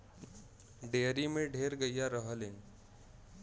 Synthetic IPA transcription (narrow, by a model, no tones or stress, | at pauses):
ɖeːɾimẽɖʱeɾɡəijaɾəɦəlẽ